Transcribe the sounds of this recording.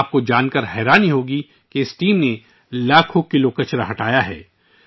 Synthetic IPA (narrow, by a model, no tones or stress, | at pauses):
p̚kod͡ʒaːnkəɾɦɛːɾaːniɦoːɡi | keɪsʈiːmne | laːkʰõkɪlokɐt͡ʃɾaɦɐʈaːjaɦɛ̰ː